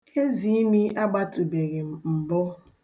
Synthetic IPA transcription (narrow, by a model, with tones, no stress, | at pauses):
e˦zi˨i˦mi˦ʔa˦ɡ͡ba˦tu˨be˨ɣe˨m̩˨m̩˨bʊ˦